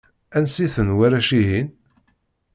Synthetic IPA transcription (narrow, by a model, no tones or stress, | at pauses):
ænsiθənwæɾæʃiɦin